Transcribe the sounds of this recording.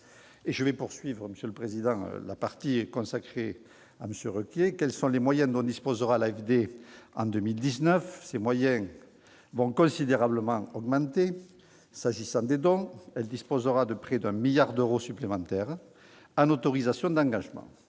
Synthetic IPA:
eʒəvɛpuʁsɥivʁəməsjələpχezid̪ɑ̰̃lapaʁt̪ikɔ̃sakχe | a̰məsjøʁøkjekɛlsɔ̃lemwajɛ̃nd̪ɔ̃d̪ispozəʁalaɛfd̪eɑ̰̃d̪ømild̪iznœfsemwajɛ̃ | vɔ̃kɔ̃sid̪eʁabləmɑ̃ɔɡmɑ̃nt̪e | saʒisɑ̃d̪ed̪ɔ̃ɛld̪ispozəʁad̪əpχɛd̪ɛ̃miljaʁd̪øʁosyplemɑ̃t̪ɛʁ | ɑ̃not̪ɔʁizasjɔ̃d̪ɑ̃ŋɡaʒəmɑ̰̃

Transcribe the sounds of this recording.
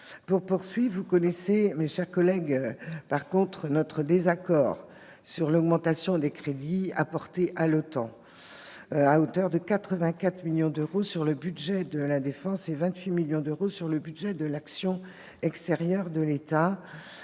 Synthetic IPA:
puʁpuʁsɥivukɔnɛsemeʃɛʁkɔlɛɡpaʁkɔ̃t̪χənɔt̪χəd̪ezakɔːʁ | syʁlɔɡmɑ̃t̪asjɔ̃d̪ekχed̪iapɔʁt̪eʔalot̪ɑ̃ | aot̪œʁd̪əkat̪χəvɛ̃kat̪χmiljɔ̃d̪øʁosyʁləbyd̪ʒɛd̪əlad̪efɑ̃sevɛ̃t̪ɥimiljɔ̃d̪øʁosyʁləbyd̪ʒɛd̪əlaksjɔ̃ | ɛkst̪eʁjœʁd̪əlet̪a

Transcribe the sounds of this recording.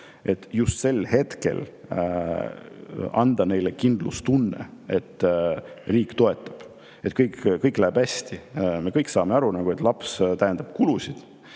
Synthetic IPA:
e̞t̪ːjust̪se̞lhe̞t̪ke̞̰l | ɑnd̪̥ɑne̞jlekind̪̥lṵst̪unːḛe̞t̪ːˑ | riːkt̪o̞e̞t̪ˑːɑ̥b̥ | et̪ˑkɤjkkɤjkˑlæːb̥æsʲt̪ime̞kɤjkːsɑːmeɑɾunɑɡ̥uet̪ˑlɑpst̪æjend̪̥ɑb̥kulusʲid̪̥

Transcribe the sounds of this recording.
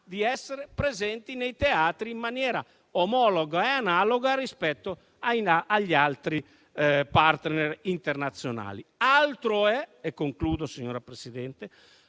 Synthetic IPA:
d̪iɛsːeɾepɾezɛnt̪inejt̪eaːt̪ɾiːmːanjɛːɾa̰ | omɔloɡaeanaːloɡaɾispɛt̪ːo | ajaʎːalt̪ɾi | paɾt̪nɛɾint̪ernat̪sːjona̰ːlialt̪ɾoɛekːoŋkluːd̪osiɲːoːɾapɾesid̪ɛnt̪e

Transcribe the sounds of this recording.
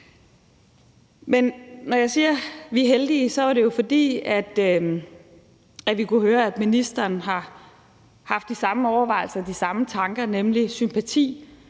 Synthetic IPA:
mennɒjɑ̈ɪsiːɐʋiɦeld̥iːsɒ̽æɐɾe̝jo̝fɒ̽d̥ḭːæd̥ | æʋikuhøːɐæd̥minisd̥ɐːnɦɑ̈ | hɑ̈fd̥isɑ̈məɒʊɐʋɑ̈ɪl̩sɐd̥isɑ̈mət͡sʰɑ̈ŋɡ̥ɐnemlisympʰæt͡sʰḭː

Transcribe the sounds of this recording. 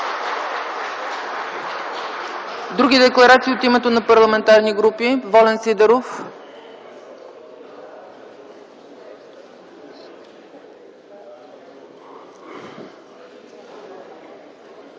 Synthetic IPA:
d̪ɾuɡid̪ɛklˠɐɾat̪siːot̪imɛt̪onɐpɐɾlˠɐmɛnt̪aɾniɡɾupivɔlɛnsid̪ɛɾof

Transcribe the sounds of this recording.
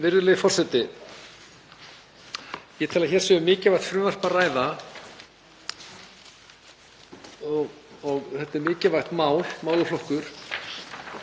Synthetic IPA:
vɪɾðʏlɪðɪfɔr̥sɛt̪ɪ | jɛt̪ʰɪlaðçɛːɾ̥sɛːʏmɪːcɪvajht̪fɾʏːvar̥paraːjða | ɣ | ɔɣθɛt̪ːɛɾmɪːcɪvajxt̪maːwlmaːwlʏflɔhkʏɾ̥

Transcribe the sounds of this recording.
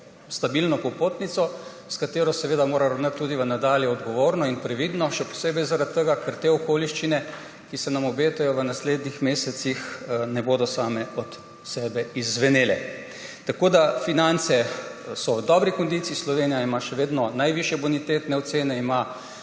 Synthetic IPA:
st̪abilnɔkɔpot̪nit̪sɔ | skat̪eːɾɔsɛʋeːd̪amoːɾaɾɐwnət̪ːuːd̪iʋənad̪aːljɛɔd̪ɡɔʋoːɾnɔinpɾɛʋid̪nɔʃɛpɔ̥seːbɛjzaɾat̪ːəɡakəɾt̪eɔkoːliʃt͡ʃinɛ | kisɛnamɔbeːt̪ajɔʋənasled̪nixmeːsɛt̪sixnɛboːd̪ɔsaːmɛɔt̪ | sɛːbɛizʋɛneːlɛ | t̪akoːd̪afinant̪sɛsɔʋd̪ɔːbɾikɔnd̪it̪siislɔʋenijaimaʃɛʋeːd̪nɔnajʋiʃjɛbunit̪et̪nɛɔt̪seːnɛima

